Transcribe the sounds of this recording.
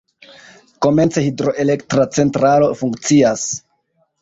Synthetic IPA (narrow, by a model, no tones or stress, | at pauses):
ko̞me̞nt͡sehidɾo̞ʔe̞le̞ktɾat͡se̞ntɾalo̞fuŋkt͡sias